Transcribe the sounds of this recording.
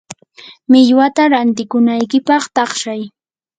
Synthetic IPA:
mɪʎwat̪aɾant̪ɪkʊnajkɪpɑχt̪ɑχʃaj

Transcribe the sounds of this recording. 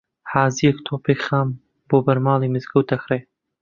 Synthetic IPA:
haːzijɛkt̪ʰoːpeːkχaːm | boːbɐɾmɑːlˠiːmɨzɡəwt̪ɐxɾeː

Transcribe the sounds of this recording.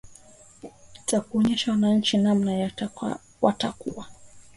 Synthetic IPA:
takuɔɲɛʃawanaɲ̩t͡ʃinamnaja̰ | watakuwa

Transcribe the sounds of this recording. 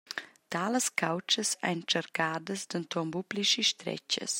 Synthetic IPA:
t̪aːləskawt͡ʃəsa̰jnt͡ʃəɾkaːd̪əsd̪ənt̪ɔmbubliʃiʃt̪ɾɛ̰cə̰s

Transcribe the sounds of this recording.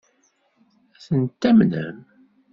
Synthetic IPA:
æθənt̪ːæmnə̰m

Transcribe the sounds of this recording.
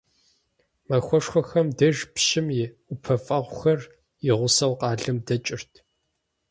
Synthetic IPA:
mɐxʷɔʂxʷɔxɐmdɐʒpʃɪmjʊpʰɐfʼɐʁʷʊxɐr | jɪʁʷʊsɐwqɑːɮɨmdɐt͡ʃʼɪrtʰ

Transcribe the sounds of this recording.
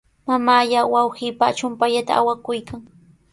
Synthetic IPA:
mamaːjawawhiːpat͡ʃʊmpaʎat̪a̰awakʊjkaŋ

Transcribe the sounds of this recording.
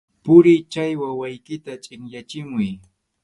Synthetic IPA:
pʊɾɪt͡ʃajwawajkɪt̪at͡ʃʼɪŋjat͡ʃɪmʊj

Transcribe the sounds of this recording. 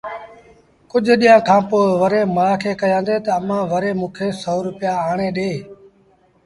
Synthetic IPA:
kʊʄʱɗijãːkʰãːpoːʋəɾeːmãːkʰeːkəjãːnd̪eːt̪əəmãːʋəɾeːmũːkʰeːsoːɾʊpjaːaːɳeːɗeː

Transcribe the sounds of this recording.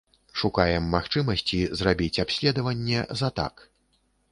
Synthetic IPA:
ʂukajɛmːaxt͡ʂɨmɐsʲt͡sʲizrabʲit͡sʲapsʲlʲɛd̪ɐvɐnʲːɛzɐt̪a̰k

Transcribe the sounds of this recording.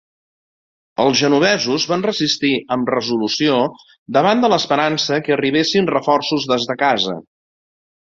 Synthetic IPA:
əlˠzʒənuβ̞ɛzuzβanrəzist̪iəmrəzulusio | d̪əβ̞and̪ələspəɾansəkəriβ̞esinrəfɔrsuzðezðəkazə̰

